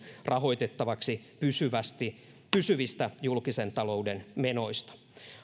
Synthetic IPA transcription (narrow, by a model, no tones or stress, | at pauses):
rɑɦo̞jt̪et̪ːɑʋɑksi | pysyʋæst̪i | pysyʋist̪æjulkisent̪ɑlo̞udenmeno̞ist̪ɑ̥